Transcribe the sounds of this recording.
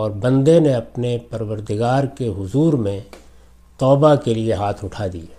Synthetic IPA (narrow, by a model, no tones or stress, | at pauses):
ɔːɾbə̃nd̪eneɐpnepɐɾʋəɾd̪ɪɡaːɾkeɦʊzuːɾmẽ | t̪ɔːbakelieɦaːt̪ʰʊʈʰaːd̪ḭ